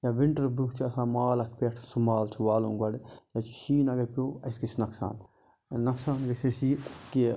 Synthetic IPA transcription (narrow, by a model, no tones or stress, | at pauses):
jaʋiɳʈɐɾbuɦt͡ʃʰiɐsãːmaːlɐt̪ʰpeʈʰsumaːlt͡ʃʰiʋaːlõːŋɡɐɽjat͡ʃʰi̥ʃiːnɐɡɐpʲoːɐskit͡ʃʰnɐksa̰ːn | nɐksaːnɡɐsɐsiki